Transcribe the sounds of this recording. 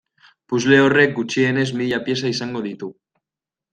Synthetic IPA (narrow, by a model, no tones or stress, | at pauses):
puzle̞ore̞k̚ɡut͡ʃie̞ne̞zmiʎapje̞saisaŋɡo̞ð̞it̪u